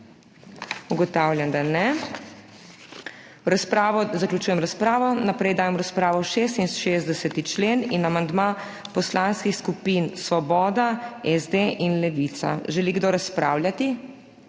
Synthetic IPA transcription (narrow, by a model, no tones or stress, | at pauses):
uɡɔt̪awlʲjand̪anɛ | ɾaspɾaːʋɔzaklʲut͡ʃuːjɛmɾaspɾaːʋɔnapɾɛjd̪aːjɛmɾaspɾaːʋɔʃeːs̬t̪inʃezd̪ɛsɛt̪it͡ʃleːninamand̪ma | pɔslanskixskupinsʋɔbɔːd̪aɛzd̪eʔinlɛʋit̪sa̰ʒɛliɡd̪oɾaspɾaːwlʲjat̪i